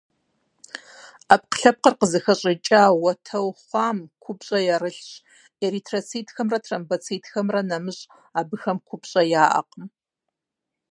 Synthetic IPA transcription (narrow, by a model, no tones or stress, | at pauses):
ap̚qə̥ɬɐp̚qərqəzɨxɐɕʼɪt͡ʃʼaːwɐtʰɐwχʷɑːmkʷʰʊpɕʼɐjɛɾɨɬɕʼ | eːɾiːtʰrɐt͡sʰiːtʰxɐmrɐtʰrɐmbɐt͡sʰiːtʰxɐmrɐnɐmɨɕʼ | aːbɨxɐmqʷʰʊpɕʼɐjaːʔɐ̰qəm